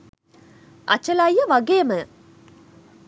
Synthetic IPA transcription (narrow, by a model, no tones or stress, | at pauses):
ʔɐ̰t͡ʃəlajjəʋaɡeːmə